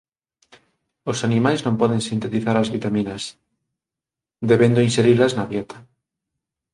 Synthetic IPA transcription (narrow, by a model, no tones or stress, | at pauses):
osanimajznõmpɔðeŋsint̪et̪iθaɾazβit̪amĩnas | d̪eβend̪oinseɾilaznaβjet̪ḁ